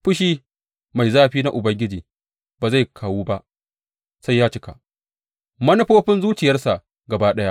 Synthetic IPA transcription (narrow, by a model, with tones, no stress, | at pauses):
ɸʊ˦ʃ̬iː˦ | ma˨jzaː˦ɸiː˦na˦ʔʊ˨bɐ˦ŋɡʲɪ˦d͡ʒiː˨ | b̥aː˨za˦jkʰaː˨wuː˦ba˦ʔ | sa˦jːaː˦t͡ʃɪ˦ka̰˨ʔ | mɐ˦nʊ˦ɸoː˦ɸɪ˦nzuː˦t͡ʃɪ˨jɐ˦rsa˨ʔ | ɡɐ˨baː˦ɗɐ˦ja˦ʔ